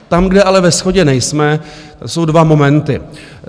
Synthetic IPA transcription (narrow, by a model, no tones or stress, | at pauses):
t̪amɡdɛʔalɛvɛsxoɟɛnɛjsmɛ | t̪aso̞wdvamo̞mɛnt̪ɪ